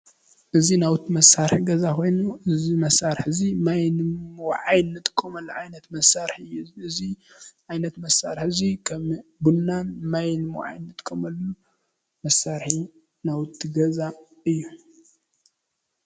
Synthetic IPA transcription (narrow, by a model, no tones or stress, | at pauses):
ʔɨzinawɨt̪ʰːimɐsːaɾħiɡɐzakʰo̞jnuʔɨzimɐsaɾħzimajnʕajnːɨt̪ʼkʼːomɐlːuʕajnɐt̪mɐsaɾħijuɨzi | ʕajnɐt̪mɐsaɾħzikʰɐmbunːanmajnɨm̰ʕa̰jnːɨt̪ʼkʰɐmɐlːu | mɐsaɾħi | nawɨt̪ʰːiɡɐza | ɨjːu